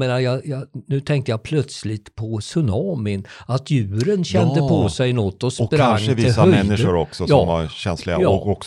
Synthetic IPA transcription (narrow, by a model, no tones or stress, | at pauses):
eːnajɑjɑnʉ̟ːt̪ʰɛŋk̚t̪əjapʰlœt̪slɪt̪pʰɔsɵnɑːmɪnat̪ʰjʉ̟ːɾənɕɛnd̪əppʰɔsɛjnɔt̪ːɔsppɾɾaŋəvɪːaœmɛnd̪ːɪʂʊɾɔksɔjɑɔːmvaɾɕɛnslɪɡaɑɔɔk